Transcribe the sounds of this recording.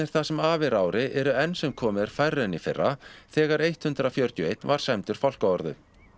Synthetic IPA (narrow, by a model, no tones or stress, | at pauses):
ɪɾ̥θasɛmaːvɪɾaːwɾɪʔɛɾʏɛnsɛmkʰɔːmɪðaɾ̥fajrɛnifɪrːaθɛːɣaɾejht̪hʏnt̪ɾafjœɾt̪jʏejt̪nvaɾ̥sɛmt̪ʏɾ̥fawl̥kaɔɾðʏ